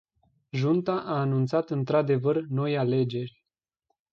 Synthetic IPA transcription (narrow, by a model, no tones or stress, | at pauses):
ʒunt̪aʔaːnunt̪sat̪ɨnt̪ɾad̪e̞vərno̞jale̞d͡ʒe̞rʲ